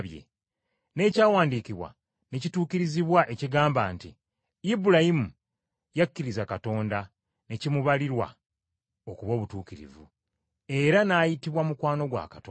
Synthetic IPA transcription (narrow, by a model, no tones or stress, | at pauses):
βjḛ | ne̞ːcaːwaːndiːkiβwa̰ | ne̞cituːkiɾiziβwaʔe̞ciɡaːmbaːnti | ibuɾajimu | jakːiɾizakato̞ːnda | ne̞cimuβaliɾwa̰ | o̞kuβo̞ːβutuːkiɾḭvṵ | e̞ɾanaːjitiβwamukwaːno̞ɡwa̰ːkato